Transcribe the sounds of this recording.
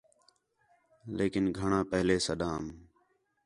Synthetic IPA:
leːkɪnɡʱəɳãːpəɦleːsəɗãːm

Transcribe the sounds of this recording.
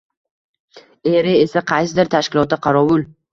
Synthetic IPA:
eɾɪe̞saqʰɑjsɪd̪ɪɾt̪ʰaʃkʲɪlˠɒt̪ːaqʰɑɾɒwʊl

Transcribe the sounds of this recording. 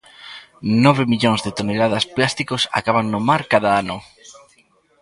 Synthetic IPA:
nɔβemiʎoŋzðet̪onelað̞ɐsplast̪ikosa̰kaβaŋnʊmaɾkaðaanʊ

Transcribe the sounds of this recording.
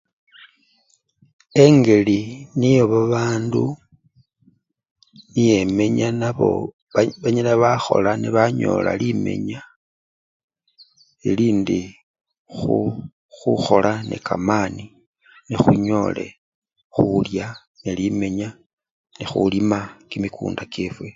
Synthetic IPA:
e̞ŋɡe̞linijo̞βaβaːndu | nije̞me̞ɲanaβo̞̰ | βaɲalaβaxo̞̰laniβaɲo̞̰ːla̰lime̞̰ɲa | iliːndi | xu | xuxo̞lʔane̞̰ka̰mani | nexuɲo̞le̞̰ | xulja | nelime̞ɲa | nexṵlimakimikṵːndakefwe̞

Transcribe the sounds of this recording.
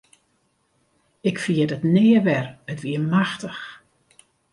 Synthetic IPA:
ɪkfiədətnɪːəʋɛrətʋiəmaxtəx

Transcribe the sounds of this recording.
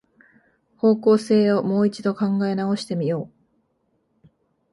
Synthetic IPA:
ho̞ːko̞ːse̞ːomo̞ːit͡ɕid̪o̞kãŋɡae̞nao̞ɕi̥t̪e̞mʲijo̞ː

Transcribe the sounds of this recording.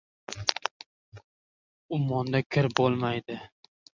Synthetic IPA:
ʊmɒnd̪akʲʰɪɾbolˠmajd̪ɪ

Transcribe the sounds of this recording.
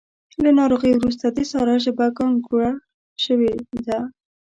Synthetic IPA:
lanɑɾoɣəjwɾus̬t̪ad̪esɑɾɑʒabakɑnɡuɽa | ʃəwed̪a

